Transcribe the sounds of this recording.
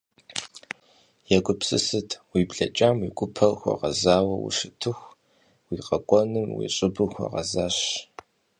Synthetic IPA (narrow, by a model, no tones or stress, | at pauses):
jɛɡʷʊpsɨsɨtʰwiːbɮɐt͡ʃʼaːmwiɡʷʊpʰɐlxʷɐ̰ʁɐzaːwɐwṵʂɨtʰɨxʷ | wiːqʼɐkʷʼɔnɨmwḭːɕʼɪbɨxʷɔ̰ʁɐ̰zaːɕ